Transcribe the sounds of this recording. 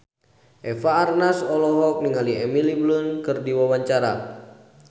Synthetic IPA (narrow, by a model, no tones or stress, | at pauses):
ʔɛfaːrnasɔlɔɦɔk̚niŋaliɛmiliblunkɨrdiwawaɲt͡ʃaɾa̰